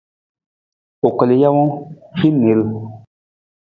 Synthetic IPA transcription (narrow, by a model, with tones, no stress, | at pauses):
o˨kə˨le˨ja˦wɔ̃˦fi˦ne˨˦l